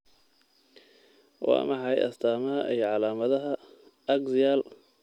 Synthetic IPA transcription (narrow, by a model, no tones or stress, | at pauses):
wɑ̰ːmɑħɑjʔɐ̰st̪ʰaːmɐɦɐʔijɞʕɑlaːmɐðɐɦɐ | ɐɡzɪjaːl